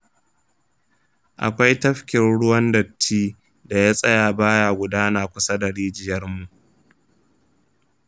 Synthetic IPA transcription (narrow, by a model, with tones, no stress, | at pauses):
ʔa̰˨kʷa˦jtɐ˦ɸkʲɪ˨nɽʊ˦wɐ˦ndɐ˨tʰːiː˦ | da˨jaː˦sʼɐ˦jaː˨baː˦jaː˨ɡʷʊ˨daː˦naː˨kʷʊ˦sɐ˦da˨ɽiː˦d͡ʒɪ˨jɐ˦rmu˨ʔ